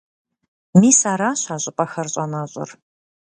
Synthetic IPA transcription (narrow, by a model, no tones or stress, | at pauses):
miːsaːɾaːɕaːɕʼɪpʼɐxɐrɕʼɐnaːɕʼɪ̰r